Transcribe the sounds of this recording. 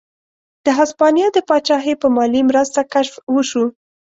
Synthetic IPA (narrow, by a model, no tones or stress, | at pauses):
d̪̥əɦaspɑnijɑd̪əpɑt͡ʃɑɦepəmɑlimɾəst̪akaʃfwəʃu